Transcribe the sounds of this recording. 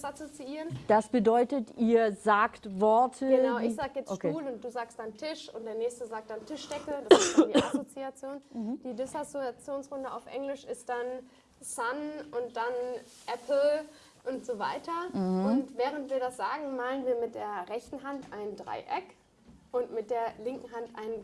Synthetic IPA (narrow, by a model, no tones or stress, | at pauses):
sasot͡siiːʁənd̥asb̥ədɔʏtətiːɐzaːktvɔɐtʰəɡəaʊʔɪçz̥aːɡəjɛt͡skeuːlʊnt̚d̥uːzaːkst̚d̥antʰɪʃʊ̰nt̚d̥eːɐnɛːçstəzaːk̚t̚d̥antʰɪʃd̥ɛkəd̥asdiːasot͡siat͡sjoːnd̥iːdɪsosiat͡sjoːnsʁʊndəaʊfʔɛ̰ŋlɪʃɪst̚d̥an | sanʔʊntd̥an | ʔɛpʰl̩ | ʔʊntz̥oːva̰ɪtɐʊntvɛːʁ̞əntv̥iːɐɾasz̥aːɡŋ̩maːlənviːɐmɪt̚d̥eːɐʁɛçtn̩ɦantʔaɪnəndʁa̰ɪʔɛk | ʔʊntmɪt̚d̥eːɐlɪŋkŋ̩ɦantʔa̰ɪnən